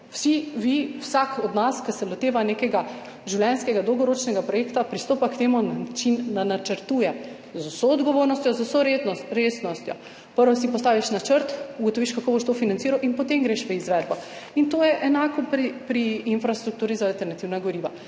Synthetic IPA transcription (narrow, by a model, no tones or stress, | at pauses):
w̥siʋiwsakɔd̪naskɐsɛlɔt̪eːʋanekɛɡa | ʒiwlʲjɛnskɛɡad̪ɔwɡɔɾoːt͡ʃnɛɡapɾɔjekt̪apɾist̪oːpakt̪eːmunat͡ʃinːanat͡ʃəɾt̪uːjɛ | zəwsɔːd̪ɡɔʋoːɾnɔst̪ʲjɔzɐwsɔɾeɾesnɔst̪jɔ̰ | pəɾʋɔsipɔst̪aːʋiʃnat͡ʃəɾt̪uɡɔt̪ɔʋiʃkakoːboʃt̪ofinant̪iɾawʔinpɔt̪emɡɾeʃʋəizʋɛd̪bɔ | int̪oːjɛʔɛnaːkɔpipɾiːnfɾast̪ɾuk̚t̪uːɾizaːlt̪ɛɾnat̪iwnaɡɔɾiːʋa